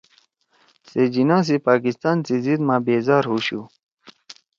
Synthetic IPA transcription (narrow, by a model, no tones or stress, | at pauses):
sed͡ʑinãːs̬ipaːkist̪aːnt͡sizid̪mãːbeːzaːɾɦuɕu